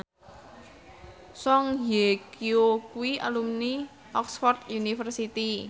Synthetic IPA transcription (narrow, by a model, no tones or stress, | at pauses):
sɔŋjekiokuwiʔa̰lumni | ʔɔksfɔrd̪junifərsit̪i